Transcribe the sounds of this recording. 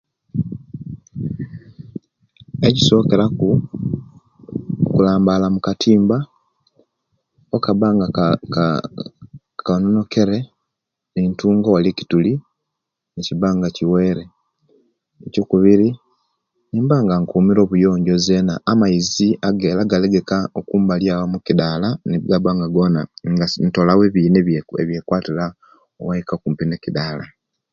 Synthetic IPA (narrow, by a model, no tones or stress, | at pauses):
eɟiso̞ːke̞ɾaku | kulaːmbalamukatʰiːmba | okaβaŋɡa | kanono̞ke̞ɾe | niːntuːŋɡowalici̥tuli | niciβaːŋɡaciweːɾe | ecokuβiɾi | niːmbaːŋɡaŋkuːmiɾo̞ːβujo̞ːɲɟo̞zenaːmaiziʔaɡeːlaɡaleɡekaokuːmbaljawamukidaːlaneβɡaβaːŋɡaɡonaŋɡanto̞laweβiːneeβje̞kwaːtiɾa | o̰wajikakuːmpinecidala